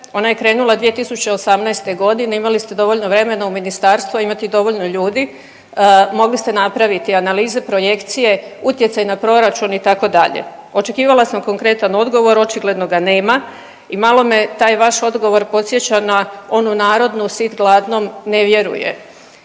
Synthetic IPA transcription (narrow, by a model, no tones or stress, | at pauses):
o̞naje̞kɾe̞ːnulˠad̪ʋije̞t̪isut͡ɕe̞osamnajst̪eɡo̞d̪ine̞imalist̪e̞d̪o̞ʋo̞ʎno̞ʋɾe̞me̞nauminist̪aːɾst̪ʋuaimat̪id̪o̞ʋo̞ʎnoʎuːd̪i | mo̞ɡlist̪e̞napɾaʋit̪ianaliːze̞pɾo̞je̞kt̪sije̞ut̪jesajnapɾo̞ɾat͡ʃunit̪ako̞d̪aʎḛo̞t͡ʃe̞kiːʋalasamko̞ŋkɾe̞t̪ano̞d̪ɡo̞ʋo̞ɾo̞t͡ʃiɡle̞d̪no̞ɡane̞ːma | imalo̞met̪aːjʋaʃo̞d̪ɡo̞ʋo̞ɾpo̞t̪sje̞t͡ɕanao̞nunaːɾo̞d̪nusit̪ɡlˠaːd̪no̞mne̞ʋje̞ɾṵjḛ